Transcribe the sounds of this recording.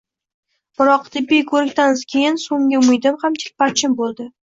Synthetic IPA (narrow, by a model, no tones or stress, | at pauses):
b̥ɪɾɒqt̪ʰɪpːijkʰɵɾɪkʲt̪anzkʲʰe̞jɪnsoŋɡʲɪʊmɪjd̪ɪmhamt̪ʰɪ̥k̚ʲpaɾt͡ʃʰɪmbolˠd̪ɪ